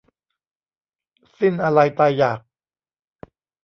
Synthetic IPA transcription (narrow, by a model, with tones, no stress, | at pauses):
si˥˩nʔa˧ɾa˧jt̪a˧jːaː˨˩k̚